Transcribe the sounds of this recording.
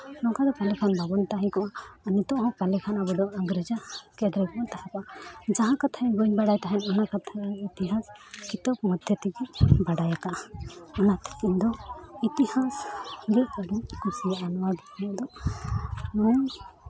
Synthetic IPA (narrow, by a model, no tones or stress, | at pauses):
nɔŋkad̪ɔpalɛkʰanbabɔnt̪aɦɛ̃kɔʔaːnit̪ɔ̃ʔɦɔ̃palɛkʰanabɔɖɔaŋɡɾɛd͡ʒakɛd̪ɾɛkɔʔat̪ahapad͡ʒaɦãkat̪ʰaɛbɔɲbaɽajt̪aɦɛnɔnakat̪ʰaanit̪iɦaskit̪ɔpmɔd̪ʱjɔt̪ikibaɖajakaʔɔnat̪ʰi̥kiɲd̪ɔit̪ihasɡɛʔkaɽiɲkusijaʔanɔwaɡitnɔd̪ɔ | nɔ